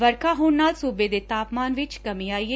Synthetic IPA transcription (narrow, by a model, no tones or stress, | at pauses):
ʋəɾkʰaːɦoːɳnaːlsuːbeːd̪eːt̪aːpmaːnʋɪt͡ʃkəmĩːaːieː